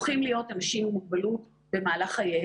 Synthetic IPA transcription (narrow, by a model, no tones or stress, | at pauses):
χimlijo̞tamʃiumuɡ̚balut | be̞maːlaχhaje